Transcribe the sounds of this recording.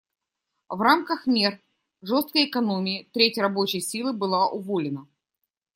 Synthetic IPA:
vramkəxmʲer | ʐo̞st̪̚kəjɪkɐno̞mʲɪːt̪ɾʲetʲrɐbo̞t͡ɕɪjsʲilˠɨbɨlˠaʔʊvolʲɪnə

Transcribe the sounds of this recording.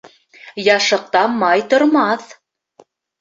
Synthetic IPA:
jɑʃɤ̆q̚t̪ɑmːɑjt̪ŏɾmɑθ

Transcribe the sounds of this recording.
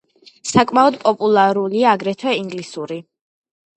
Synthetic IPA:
sakʼmaɔd̪pʼɔpʼulˠaɾuliaːɡɾɛt̪ʰwɛiŋɡlisuɾi

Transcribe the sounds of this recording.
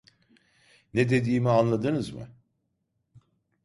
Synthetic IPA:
ned̪e̞d̪iːmianlˠad̪ɯnɯzmɯ̰

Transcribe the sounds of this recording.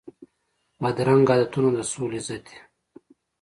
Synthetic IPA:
mɐd̪ɾaŋɡad̪ɐt̪unod̪əsuːlizɐt̪i̥

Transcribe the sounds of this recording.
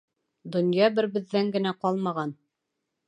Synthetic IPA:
d̪ŏnjɑbɘ̆ɾbɘ̆ðːæŋɡɘ̆næqɑlˠmɑʁɑn

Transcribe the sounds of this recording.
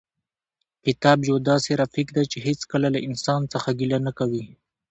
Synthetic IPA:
kɪt̪ɑbjawd̪ɑseɾafikd̪at͡ʃeɦet͡skəlalaʔɪnsɑnt͡səxaɡilanakawi

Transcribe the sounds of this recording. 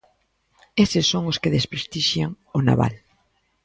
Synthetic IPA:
esɪsːoŋʊskɪðespɾest̪iʃjaŋ | ʊna̰βa̰l

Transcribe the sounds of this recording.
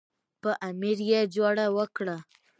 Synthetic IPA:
pəʔamiɾjed͡ʒoɽawəkɽa

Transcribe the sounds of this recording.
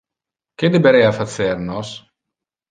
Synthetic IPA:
k̟ed̪ebeɾɛafat̪sernos

